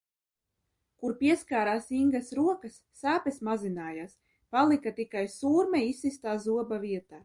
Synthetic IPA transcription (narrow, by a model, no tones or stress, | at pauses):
kuɾpiɛskaːɾaːsiŋɡɐsɾuɔkɐsːaːpesmazinaːjaːs | palˠikat̪ikajsuːɾmɛisːist̪aːzuɔbaviɛt̪aː